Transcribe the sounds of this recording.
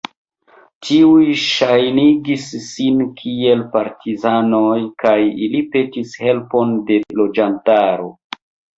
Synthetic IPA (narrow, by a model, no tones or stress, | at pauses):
tʰiujʃajniɡisːinkʰie̞lpaɾtʰizano̞jkajilipe̞tishe̞lpo̞nde̞lo̞d͡ʒantaɾo̞